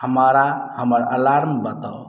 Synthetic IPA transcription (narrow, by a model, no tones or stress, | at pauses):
həməɾahəməɾəlaɾmbət̪ə